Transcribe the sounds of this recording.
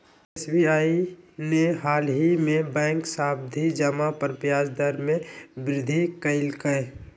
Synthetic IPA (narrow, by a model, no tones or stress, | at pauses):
esbiaːineɦaːlɦimẽbɛ̃ːŋksaːb̚d̪ʱid͡ʒəmapəɾpjaːd͡ʒd̪əɾmẽbɾɪd̪ʱikəɪlkəe